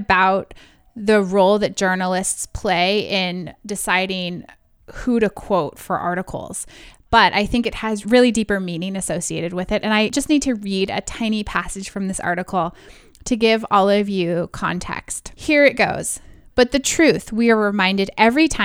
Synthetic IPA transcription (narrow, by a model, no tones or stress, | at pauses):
baʊt̪̚ | ðɨɹoʊlˠðɨt̚d̥ʒ̥ɜ˞nl̩ˠɪstspʰl̥eɪɪ̃ndɨsaɪɾɪ̃ŋ | huɾɨkʰw̥oʊtfə̰˞ʔɑ̰ɹɾɨkʰl̩ˠz̥b̥ʌɾʔa̰ɪθɪ̃ŋkɨt̚hɨzɹɪlˠidipə˞mĩnɪ̃ŋɨsoʊsieɪɾɨd̚wɨðɨɾʔɨ̃naɪd͡ʒʌsnid̚tʰɨɹiɾɨ̰tʰãɪ̃nipʰæsɨd̥ʒ̥fɹʌ̃mðɪsɑ̰ɹɾɨkʰl̩ˠ | tʰɨɡɪvɔlˠʌvjʉkʰɑ̰̃ntʰɛ̰ksthiɹɨt̚ɡ̥oʊz̥b̥ʌt̪̚ðɨtʰɹ̥ʉθwiə˞ɹɨmãɪ̃ndɨɾɛvɹitʰã